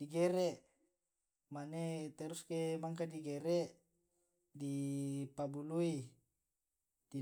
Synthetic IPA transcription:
diɡɛɾɛʔ | manet̪ɛɾuskemaŋkadiɡeɾeʔ | dipabului | d̥i

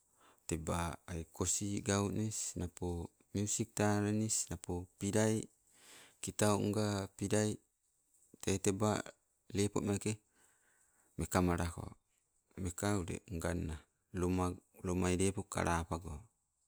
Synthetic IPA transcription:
t̪ebaːikosiɡaunisnapo | miusik̚t̪aɾanisnapopiɾai | kit̪auŋɡapiɾai | t̪ait̪eba̰ | lepoʔmake | mekamaɾako̰ | mekauɾḛŋɡanːa | lomalomaiɾepoka̰ɾʔapaɡo

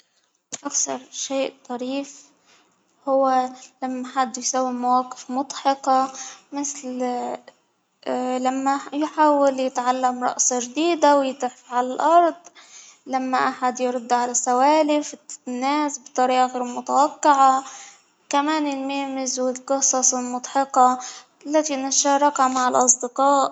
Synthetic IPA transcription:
ʔakθɑɾˤʃeːʔt̪ˤɑɾiːf | hʊwːalamːaħad̪ːjsawːimawaːqɪ̥fmʊd̪ˤħɑqɑmɪθl | lamːajħaːwaljɪt̪ʕalːamɾˤɑ̰ʔsɑʒd̪iːd̪awjɪt̪ɪħfʕalalʔɑɾˤd̪ˤ | lamːaʔaħad̪jɾʊd̪ːʕalasawaːlɪfnːaːsbt̪ˤːɑɾiːʔɑɣeɾmʊt̪awaqːɪʕa | kamaːnɪlmeːmɪzwɪlqɨsˤɑsˤɪlmʊd̪ˤħɑqɑ | lːat̪inaʃɑːɾˤɑkamaʕɪlʔɑsˤd̪ɪqɑːʔ

